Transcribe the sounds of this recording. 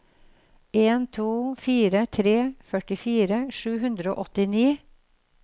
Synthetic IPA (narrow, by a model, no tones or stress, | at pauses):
ʔeːnt̪ʰuːfiːɾət̪ʰɾeːfœʈɪfiːɾəʃʉːhʉnd̪ɾəo̰ːʔɔt̪ɪniː